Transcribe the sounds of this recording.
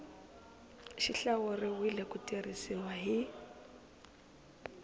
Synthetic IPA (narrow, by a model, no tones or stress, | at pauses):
ʃiɬaɣʊrɪwɪlɛkʼʊtʼirisiwaɦɪ